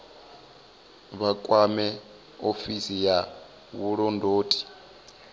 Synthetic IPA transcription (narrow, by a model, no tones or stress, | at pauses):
βakʼwamɛ | ofisija | βuɺɔndʱoːtʼi̥